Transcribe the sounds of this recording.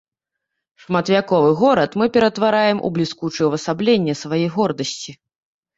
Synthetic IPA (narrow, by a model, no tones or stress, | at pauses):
ʂmat̪vʲakɔvɨɣɔɾɐt̪mɨpʲɛɾɐt̪vaɾajɛmʔṵblʲiskut͡ʂɨwvɐsablʲɛnʲːɛsvajɛjɣɔrd̪ɐsʲt͡sʲi